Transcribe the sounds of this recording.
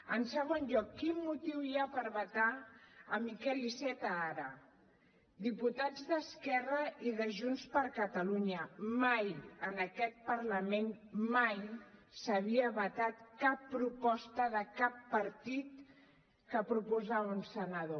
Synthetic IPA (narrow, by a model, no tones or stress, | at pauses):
ənsəɣ̞onʎɔkːinmut̪iwiapəɾβət̪aəmikɛlisɛt̪əaɾə | d̪iput̪ad͡zðəskɛrəʔiðəʒunspəɾkət̪əluɲəmajənəkɛt̪̚pəɾləmenmajsəβiəβət̪at̪kapːɾupɔst̪əðəkapːəɾt̪it̪̚ | kəpɾupuzaβunsənəðo